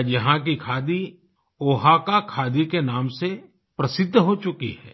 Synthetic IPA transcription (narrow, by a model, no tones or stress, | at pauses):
jɐɦãk̬ikʰaːd̪i | oːɦakakʰaːd̪ikenaːmse | pɾɐsɪd̪ʱːɦot͡ʃʊkḭɦɛ̰ː